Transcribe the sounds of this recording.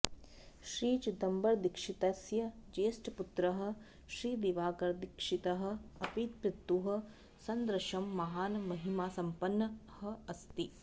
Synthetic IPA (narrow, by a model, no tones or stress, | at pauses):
ʃɾiːt͡ʃd̪ɐmbɐɾd̪ikʂit̪ɐsjɐd͡ʒeːsʈɐput̪ɾɐɦɐ̆ | ʃɾiːd̪iʋaːɡɐɾd̪ikʂit̪ɐɦɐ̆ɐpit̪̚pɾɪt̪ːuɦɐ̆ | sɐnd̪ɾɐʃɐmːɐɦaːnmɐɦimaːsɐmpɐnːɐhɐ̆ɐst̪i